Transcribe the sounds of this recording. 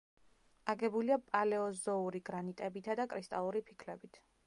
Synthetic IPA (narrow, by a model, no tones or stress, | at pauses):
aɡɛbuliapʼalɛɔzɔuɾiɡɾanit̪ʼɛbit̪ʰad̪akʼɾist̪ʼalˠuɾipʰi̥kʰlɛbit̪ʰ